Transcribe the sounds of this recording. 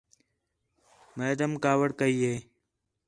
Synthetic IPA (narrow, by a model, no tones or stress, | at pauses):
meːd̪əmkaːwəɽkəiːɦeː